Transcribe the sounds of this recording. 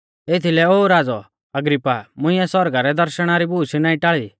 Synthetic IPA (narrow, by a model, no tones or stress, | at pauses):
et̪ʰilɛoːɾaːd͡zɔ | ɐɡɾipːamʊ̃ɪ̃ɛsɔɾɡaɾɛd̪ɐɾʃəɽ̃aɾibuːʃinaːĩʈaɭi